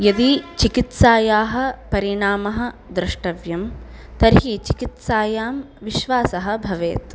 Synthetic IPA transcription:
jɐd̪it͡ʃikit̪saːjaːɦɐ̆pɐɾiɳaːmɐɦɐ̆d̪ɾɪʂʈɐʋjɐmt̪ɐɾɦit͡ʃikit̪saːjaːm | ʋiʃʋaːsɐɦɐ̆bʱɐʋeːt̪

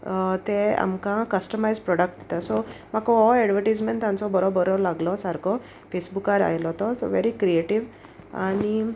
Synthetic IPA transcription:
t̪ea̰mkãkəsʈəmajzpɾɔɽək̚ʈ̚d̪it̪asɔm̤akɔɔɛɖʋəɾʈajd͡zmẽnʈt̪ːãnt͡sɔbɔɾɔbəɾɔlaɡlɔsaɾkɔ | fesbukaɾa̰jlɔt̪ɔsɔ̰ʋḛɾikɾieʈiʋ | a̰ni

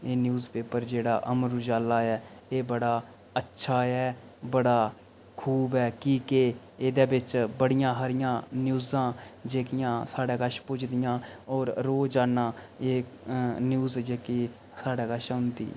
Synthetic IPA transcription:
eːnjuːzpeːpəɾd͡ʒeːɽaːʔəmɾd͡ʒaːlːaːɛːeːbəɽaː | ətːʃʰaːɛːbəɽaː | kʰuːbɛːkiːke | eːd̪eːbɪt͡ʃbəɽɪjãːɦaːɾɪjãːnjuːzãːd͡ʒeːkɪjãːsaːɽaːɡəʃpʊt͡ʃd̪ɪjãːɔːɾɾoːd͡ʒaːnãː | eːnjuːzd͡ʒeːkeː | saːɽaːɡəʃʊnd̪ḭː

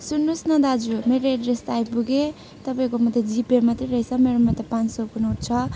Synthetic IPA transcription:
sunːusnʌd̪ad͡zumeɾeɖɾest̪ajpuɡe | t̪ʌpaĩkomʌd̪ʱed͡zipeɾmat̪riɾʌit͡sʰʌmeɾomʌd̪epãnt͡ssopunuʈt͡sʰʌ

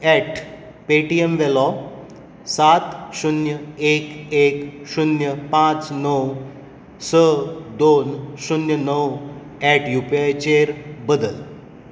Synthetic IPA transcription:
ɛʈʰ | peʈiemʋelɔ | sat̪ɕunjəekekɕunjəpãt͡snəw | səd̪onɕunjənəw | ɛʈʰjupiajt͡ɕeɾbəd̪əl

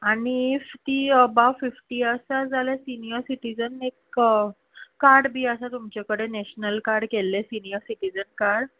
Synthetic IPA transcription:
añieft̪iːəbaʋfifʈiːəsad͡zalesinijəɾsiʈid͡zənekəː | aɾɽbʱiːəsat̪umt͡ɕakəɽenɛɕnəlkaɾɽkelːesinijəɾsiʈid͡zənkaɾɽ

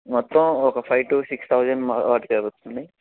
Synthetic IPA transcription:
mɔt̪ːɐ̃mɔkɐpʰɐjʋʈuːsikst̪ʰɐwd͡ʒɐɳɖmaʋaːɾʈkɐbut̪ːund̪i

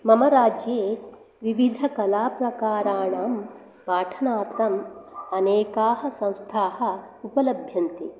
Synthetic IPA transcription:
mɐmɐɾaːd͡ʒjeː | ʋiʋid̪ʱɐkɐlaːpɾɐkaːɾaːɳaːm | paːʈʰɐnaːt̪ɐmɐneːkaːɦɐ̆sɐ̃w̃st̪ʰaːɦɐ̆ | upɐlɐbʱjɐnt̪i

